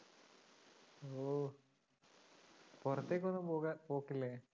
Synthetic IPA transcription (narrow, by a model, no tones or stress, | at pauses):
oː | purɐt̪ːeːkːonːɨmpoːkapoːkːilːe